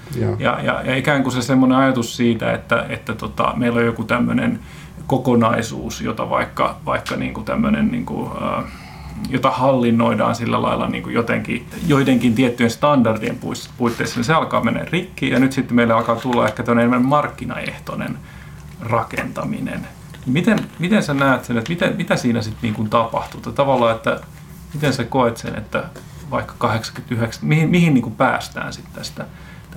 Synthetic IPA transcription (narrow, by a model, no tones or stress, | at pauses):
jɑ̰jɑ̰jɑikæːŋkusesemːoneɑjɑt̪ussiːt̪æ̰ḛt̪ːæet̪ːæt̪ot̪ɑ̰meilːojjokut̪æmːønḛn | kokonɑisṵːsjo̰t̪ɑʋɑ̰ikːɑ̰ʋɑikːɑnḭːŋkut̪æmːønennḭːŋkṵə̰ː | jot̪ɑhɑlːinːoidɑ̰ːnsilːælɑ̰ilːɑ̰nḭːŋkujot̪eŋkijoiteŋkint̪iet̪ːyenst̪ɑndɑrdiempuispuit̪ːeiseniseɑlkɑ̰ːmenḛːrikːiːjɑnyt̪sit̪ːmeilːeɑlkɑːt̪ulːɑehkːæt̪oneenemænmmɑrkːinɑ̰ḛht̪onḛn | rɑkḛnt̪ɑmḭnḛn | nimit̪enmit̪ensenæːt̪senet̪mit̪emit̪æsiːnæsit̪niːŋkunt̪ɑpɑht̪ut̪ɑt̪ɑʋɑlːɑːet̪ːæ | mit̪ensekoet̪sḛnḛt̪ːæ | ʋɑikːɑ̥kɑheksɑ̥kyt̪yheksmihimihinniːŋkupæ̰ːst̪æ̰ːnsit̪ːæst̪æ